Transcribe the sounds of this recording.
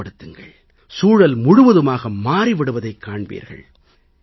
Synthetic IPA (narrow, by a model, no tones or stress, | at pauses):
ɐɽɯt̪ːɯŋɡɐɭ | suːɻɐlmʊɻʊʋɐðɯmaːɣɐmaːɾiʋɪɽɯʋɐðɐɪkːaːɳbḭːɾɣɐ̰ɭ